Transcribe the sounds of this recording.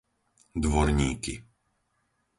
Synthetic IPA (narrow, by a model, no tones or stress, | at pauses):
d̪ʋɔɾɲiːki